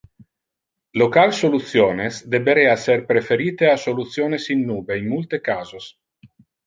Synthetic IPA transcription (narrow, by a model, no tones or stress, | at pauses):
lokalsolut̪sjoːnesd̪ebeɾeːaserpɾefeɾiːt̪easolut̪sjoːnesinːuːbeinmult̪ekaːzos